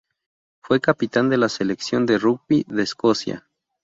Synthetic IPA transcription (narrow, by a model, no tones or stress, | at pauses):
fwe̞kapit̪and̪e̞laseleksjo̞nd̪e̞ruɡ̚biðeːsko̞sja̰